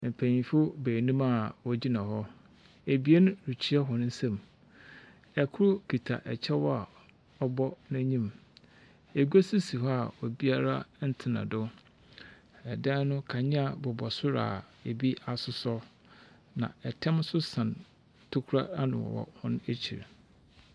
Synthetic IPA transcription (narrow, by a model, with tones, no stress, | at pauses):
m̩˨pʰæ̃˨ɲĩ˨fʊ˦beː˨nũ˦ma˨wɔ˦d͡ʑi˦nã˨ɦɔ˦ | e˨bi˨e˦nʊ̃˦ɾi˨t͡ɕʰi˦ɛ˦ɦɔ˨ñ˦n̩˦sɛ̃˨m | ɛ˨kʰʊ˦ɾʊ˦kʰi˨tʰa̰˨ʔɛ̰˨t͡ɕʰɛ˦wɔ˦a˨ | ɔ˦bɔ˦nã˦ɲĩ˦m | e˨ɡʷa˦si˦si˨ɦɔ˦a˨wɔ˨bi˦a˦ɾa˦n̩˦tʰɪ˨nã̰˨dʊ˦ | ɛ˨da˦nʊ̃˦kʰa˨ɲɪ̃˦a˨bɔ˨bɔ˨sʊ˦ɾa̰˨ | e˨bi˦a˨sʊ˨sɔ˦ | nã̰˨ɛ˨tʰɛ̃˦msʊ˦sã˨n | tʰʊ˦kʰu˦ɾa˦a˦nʊ̰̃˨wɔ̰˨wɔ̰˨hʊ̃˦n˦e˦t͡ɕʰi˨ɾḛ˨